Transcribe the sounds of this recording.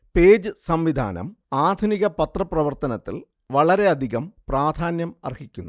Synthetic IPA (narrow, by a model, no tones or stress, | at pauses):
pe̞ːd͡ʑɨsɐmʋid̪ʱa̰ːnɐ̰maːd̪ʱuniɣɐpɐt̪rɐprɐʋɐrt̪ɐnɐt̪ːḭl | ʋɐɭɐɾe̞ɐd̪ʱiɣɐmpraːd̪ʱaːnjɐmɐ̰rhikʲːunːu